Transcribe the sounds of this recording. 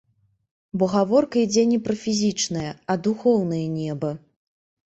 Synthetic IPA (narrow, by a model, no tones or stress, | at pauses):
bɔɣavɔrkɐid͡zʲɛnʲɛpɾɐfʲizʲit͡ʂnɐjɐɐd̪uxɔwn̪ɐjɐnʲɛbɐ